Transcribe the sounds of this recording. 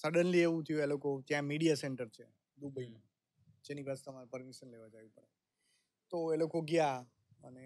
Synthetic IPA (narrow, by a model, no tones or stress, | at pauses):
səɖənlieʋũt̪ʰəjũelokot̪jãmiɽijaseɳʈəɾt͡ʃʰe | d̪ubəimã | d͡ʒeniʋast̪əmaɾpəɾmiʃənleʋad͡ʒaʋipəɽḛ | t̪oelokoɡja | əne